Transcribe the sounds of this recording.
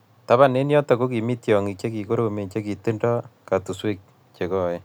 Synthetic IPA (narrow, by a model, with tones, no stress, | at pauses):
ta˦βa˦˨ne˦njɔ˦tɔ˨ko˦ki˨mi˦tjɔ˨ŋi˨t͡ʃe˦ki˨ko˦ɾo˨me˨t͡ʃe˦ki˨te˦ndɔ˦ka˨tu˨swe˦k̚ | t͡ʃe˨kɔ˦je˦